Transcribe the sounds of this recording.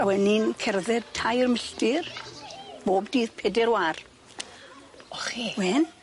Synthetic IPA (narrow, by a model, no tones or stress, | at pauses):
awɛninkʰɛrðɛdtʰajrməɬtɪr | b̥oːbd̥iːðpʰɛːdɛɾwar | ɔχiwɛn